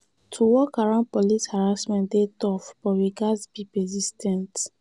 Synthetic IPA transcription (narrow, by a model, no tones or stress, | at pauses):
tʰuwɔkaɹãʊ̃ndpɔlishaɹasmɛ̃ndetɔfb̥ɔwiɡazbipɛzistʰɛ̃nt